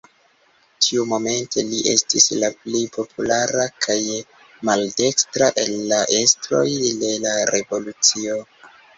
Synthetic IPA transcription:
tʰiumo̞me̞nte̞liʔe̞̰stislaplejpʰo̞pʰulaɾakʰaj | malde̞kstɾaʔe̞lːaʔe̞stɾo̞̰jde̞laɾe̞vo̞lut͡sio̞

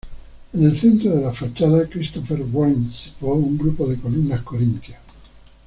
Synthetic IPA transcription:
enelθent̪ɾoðelafat͡ʃːaðakɾist̪ɔfeɾwɔlnsi̥t̪ɔuŋɡɾupoðekolunːakoɾint̪ja

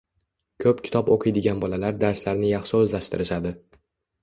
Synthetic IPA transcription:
kʰɵpkʲʰɪ̥t̪ʰɒpoqʰɨjd̪ɪɡʲanbɒlalaɾd̪aɾslaɾnɪjɑχʃɪɵzlaʃt̪ʰɪɾɪʃad̪ɪ

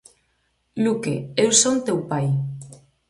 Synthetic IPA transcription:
lukḛewsont̪ewpaj

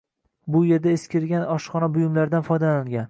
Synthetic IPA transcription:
bʊjeɾd̪aeskʲɪɾɡʲanɒʃχɒnabʊjɪmlaɾd̪anfɒjd̪alaŋɡʲan

